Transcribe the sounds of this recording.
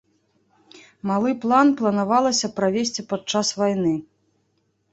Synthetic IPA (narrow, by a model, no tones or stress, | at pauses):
malˠɨplˠanplˠɐnavalˠɐsʲɐpɾavʲesʲt͡sʲipat͡ʂasvajn̪ɨ